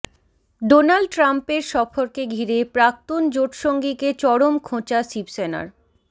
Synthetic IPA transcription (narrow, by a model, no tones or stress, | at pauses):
ɖonalɖ̚ʈɾampeɾʃɔfoɾkeɡʱiɾepɾak̚t̪ond͡ʑoʈʃoŋɡiket͡ɕɔɽomkʰõt͡ɕasibsena̰ɾ